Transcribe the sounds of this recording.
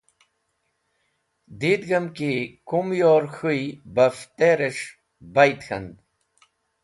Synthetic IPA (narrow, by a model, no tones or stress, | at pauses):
d̪id̪ɡɐmkikumjoːɾxujbɐft̪eɾeʂ | bajt̪xɐ̰nd̪